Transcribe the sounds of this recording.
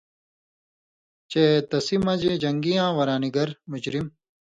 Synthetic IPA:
t͡ɕet̪ɐsimɐd͡ʑed͡ʑɐŋɡijãːwɐɾaːniɡɐɾmud͡ʑɾim

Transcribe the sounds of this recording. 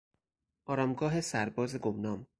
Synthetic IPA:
ʔɒːɾɒːmɡɒːɦesæɾbɒːzeɡomnɒːm

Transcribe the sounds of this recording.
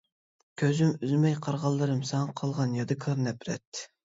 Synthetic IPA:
kʲʰøzymyzmɛjqʰɑɾʁɑlˠːɨɾɨmsɛŋɑqʰɑlˠʁɑnjɑd̪ɨkʰɑɾnɛpɾɛ̰t̪ːɪ

